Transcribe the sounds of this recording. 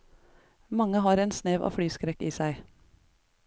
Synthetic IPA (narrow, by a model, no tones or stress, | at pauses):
mɑŋəhɑːɾeːnsneːʋʔo̰ːfɽyːskɾɛkiːsæɪ